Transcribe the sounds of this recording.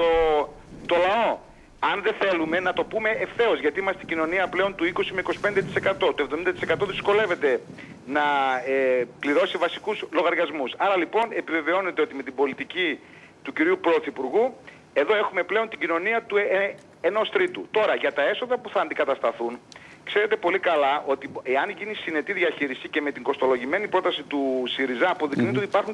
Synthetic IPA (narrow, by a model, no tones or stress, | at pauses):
t̪o̞t̪o̞lɐo̞ | ɐnðe̞θe̞lume̞nɐt̪o̞pume̞efθe̞o̞zʝɐt̪iimɐseiɟino̞niɐple̞o̞nt̪uiko̞simeikosi̥ped̪et̪ise̞kɐt̪o̞t̪oe̞vðoind̪ɐt̪ise̞kɐt̪o̞ðisko̞le̞ve̞t̪e̞ | nɐ | pliɾo̞sivɐsikuzlo̞ɣɐɾɣɐzmusɐɾɐlipo̞ne̞pive̞ve̞o̞ne̞t̪eo̞t̪ime̞t̪ibo̞lit̪ici | t̪uciɾiupɾo̞θipuɾɣu | e̞ðo̞e̞xume̞ple̞o̞nt̪iɟino̞niɐt̪uee | eno̞st̪ɾit̪ut̪o̞ɾɐʝɐt̪ɐe̞so̞ðɐpuθɐːnd̪ikɐt̪ɐst̪ɐθun | kse̞ɾe̞t̪e̞po̞likɐlɐʔo̞t̪ieɐnʝinisine̞t̪iðʝɐçiɾisice̞me̞t̪iŋɡo̞st̪o̞lo̞ʝime̞nipɾo̞t̪ɐsit̪usiɾizɐːpo̞ðiknit̪eot̪ipɐɾxun